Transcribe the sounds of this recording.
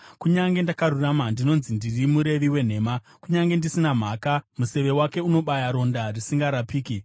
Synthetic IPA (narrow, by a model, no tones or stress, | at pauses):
kuɲaŋɡe̞ndakaruramandino̞nzindirimuɾe̞ʋiwe̞n̤e̞ːma | kuɲaŋɡe̞ndisinam̤aːkamuse̞ʋe̞wake̞uno̞ɓajaɾo̞ndarisiŋɡaɾapiːki